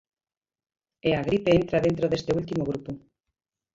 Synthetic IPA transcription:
eaɣ̞ɾipeent̪ɾaðent̪ɾoðest̪eult̪imoɣ̞ɾupu

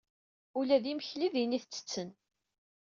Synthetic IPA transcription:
ulæðiməçliðiniθt͡sːə̥t͡sːən

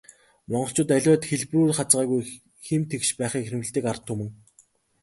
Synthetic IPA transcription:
mɔɴɢɞ̆ɬt͡ɕʊːt̪æɮʲʊːt̪xeɮpruːtχat͡sɢaːɣuj | xemt̪ʰekʃpæːχiːkxĕɾɘ̆mɘ̆ɮt̪iːkart̪ʰːɵmɘ̆ŋ

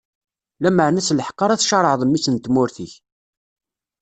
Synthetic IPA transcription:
læməʕnæsləħqːɑɾˤæθʃɑɾˤəʕðˤəmːisənt̪mʊɾθiç

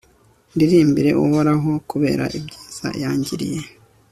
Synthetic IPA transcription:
ndiɾiːmbiɾe̞ʔuhoɾaɦo̞kuβe̞̰ːɾa̰ʔibɟiːz̥a̰jaːɲɟiɾḭje̞

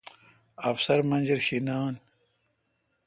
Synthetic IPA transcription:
ɐfsɐɾmɐnd͡ʑiɾɕinaːn

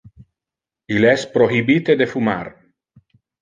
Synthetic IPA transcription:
ilɛspɾoɦibit̪ed̪efuma̰r

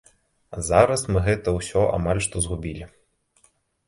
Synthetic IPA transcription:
zaɾɐsmɨɣɛt̪ɐwsʲɔʔa̰malʲʂt̪ɔzɣubʲilʲi

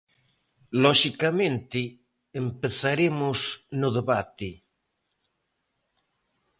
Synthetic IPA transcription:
lɔʃikamẽnt̪ɪː | mpeθaɾemʊsnʊðeβat̪ɪ

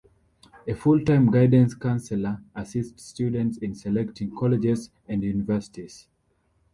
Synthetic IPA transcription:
efultãɪ̃mɡaɪdə̃nskãnsɛləasiststjudɛ̃ntsĩnsɛlɛktʰĩŋkʰɔlɛd͡ʒɛz | æ̃ndjunivɜ˞si̥tiz̥

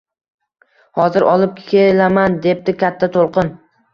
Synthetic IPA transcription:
hɒzɪɾɒlˠɪp̚kʲʰelamand̪e̞p̚d̪ɪkʲat̪ʰːat̪ʰolˠqɨn

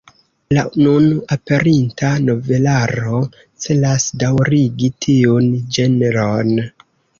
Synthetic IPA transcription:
lanunape̞ɾintano̞ve̞laɾo̞ | t͡se̞lasdawɾiɡitʰiund͡ʒe̞neɾon

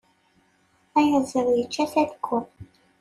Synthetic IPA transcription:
æjəzˤəðˤjət͡ʃːæθæðkʷːʊ

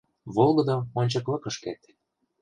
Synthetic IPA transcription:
βolˠɣɤ̆d̪oonʲt͡ɕɤ̆klɤ̆kɤ̆ʃket̪

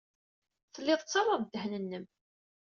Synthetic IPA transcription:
θəlːɪðˤt͡sːɑɾˤɑðˤd̪ːəhnənːəm

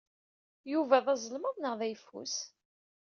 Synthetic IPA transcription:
juvæðɑzˤəlməðˤnəʁðæjfṵs

